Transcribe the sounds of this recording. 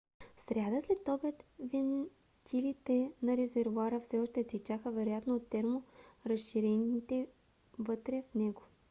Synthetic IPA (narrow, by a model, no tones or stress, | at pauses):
fsɾʲjad̪əslɛt̪ɔbɛt̪vɛn | t̪ʰilit̪ɛnɐɾɛzɛɾvuaɾəfsɛɔʃt̪ɛt̪ɛt͡ʃaxəvɛɾojat̪noot̪ːɛɾmoɾɐsʃiɾɛnit̪ɛ | vɤt̪ɾɛfnɛɡo